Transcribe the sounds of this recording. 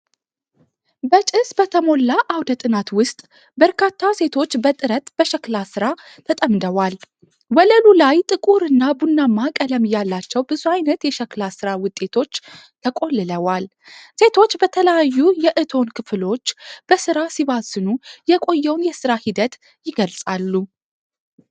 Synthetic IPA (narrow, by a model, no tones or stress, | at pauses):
bət͡ʃʼɪsbət̪ʰəmo̞lːaʔawd̪ət̪ʼɨnat̪wʊst̪ʼ | bəɾkʰat̪ʰːase̞t̪ʰo̞t͡ʃːbət̪ʼɨɾət̪b̥əʃəklasɨɾa | t̪ʰət̪ʼəmd̪əwal | wələlulajt̪ʼɨkʼuɾɨnːabunːamːakʼələmjalːat͡ʃːɛwbɨzuajnət̪jɛʃɛklasɨɾawʊt̪ʼːe̞t̪ʰo̞t͡ʃːt̪ʰəkʼo̞lːɨləwal | se̞t̪ʰo̞t͡ʃːbət̪ʰələjajːujɛʔɨt̪ʰo̞nkʰɨflo̞t͡ʃːb̥əsɨɾasiβazɨnujɛkʼo̞jːɛwnjɛsɨɾahid̪ət̪ | jɪɡəlsʼalːu